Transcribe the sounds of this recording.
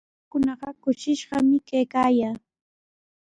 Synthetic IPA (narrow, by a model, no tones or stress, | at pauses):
kʊnɑɢɑkʊʃɪʃɢɑmɪkajkaːjaː